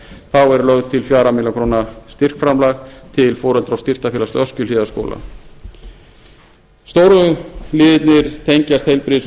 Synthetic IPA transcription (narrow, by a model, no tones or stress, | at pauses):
θawɛɾlœɣðt̪ʰɪlfjaːɾamɪlaŋkʰɾoːnast̪ɪr̥kfɾamlaːxt̪ʰɪlfɔːɾœlt̪ɾawst̪ɪr̥t̪afɛlast̪œscʏlɪːðasko̰ːlʔa̰ | st̪oːwɾʏlɪːðɪt̪nɪɾ̥t̪ʰejɲcast̪hejlpɾɪs